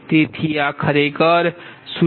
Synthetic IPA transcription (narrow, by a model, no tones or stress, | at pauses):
t̪et̪ʰijakʰəɾekəɾsu